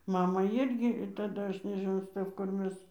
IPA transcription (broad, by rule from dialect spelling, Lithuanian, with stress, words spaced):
ˈmɑːmɑː ˈɪrʲɡʲɪ tɐˈdɐ ˈɐʃ nʲɛʒʲɪˈnɐʊ ˈstɜf kʊr ˈmʲɛs